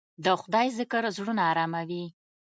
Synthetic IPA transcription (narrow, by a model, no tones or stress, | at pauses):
d̪əxʊd̪ɑjzɪkəɾzɽunɑːɾɑmawi